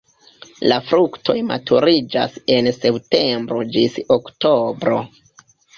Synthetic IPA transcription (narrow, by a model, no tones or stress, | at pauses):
lafɾuktʰo̞̰jma̰tʰuɾid͡ʒa̰se̞nse̞pte̞mbɾo̞d͡ʒisokto̞bɾo̞̰